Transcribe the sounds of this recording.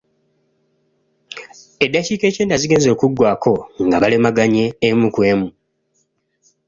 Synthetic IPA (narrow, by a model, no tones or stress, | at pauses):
e̞dːaciːke̞ːceːndaziɡe̞ːnzo̞ːkuɡːwaːkʰo̞ŋɡaβale̞maɡaɲe̞ːmukwe̞ːmu